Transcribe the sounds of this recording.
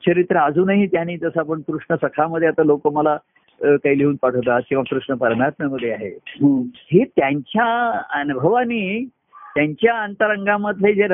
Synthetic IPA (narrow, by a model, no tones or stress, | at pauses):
t͡ɕʰəɾit̪ɾəad͡zuːnaɦit̪janiːt̪əsəap̬əɳkɾuʂɳəsəkʰaməd̪ʱːjeat̪alokoməla | kaiːliuːnpaʈʰəʋt̪̬əat̪̚kĩʋakɾuʂɳəpəɾmat̪̚məməd̪ʱːjeaɦḛ | ɦiːt̪jaɲt͡ɕjaənbʱəʋaniː | t̪jaɲt͡ɕjaənt̪əɾəŋɡãməd̪ʱled͡ze